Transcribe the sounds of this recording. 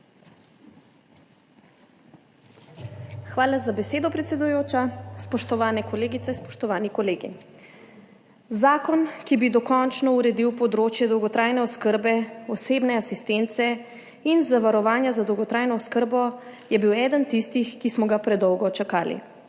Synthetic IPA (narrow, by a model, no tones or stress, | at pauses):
xʋaːlazabɛseːd̪ɔpɾɛt̪sʲɛd̪ujoːt͡ʃaspɔʃt̪ɔʋaːnɛkɔleːɡit̪sɛinspɔ̥ʃt̪ɔʋaːnikɔleːɡḭ | zaːkɔnkibid̪ɔkɔnt͡ʃnɔuɾɛd̪iwpɔd̪ɾoːt͡ʃjɛd̪ɔwɡɔt̪ɾaːjnɛɔskəɾbɛɔseːbnɛasist̪ent̪sɛ | inzaʋaɾɔʋaːnjazad̪ɔwɡɔt̪ɾaːjnɔːskəɾbɔjɛbiwɛːd̪ənt̪ist̪ixkismɔɡapɾɛd̪ɔwɡɔt͡ʃakaːlḭ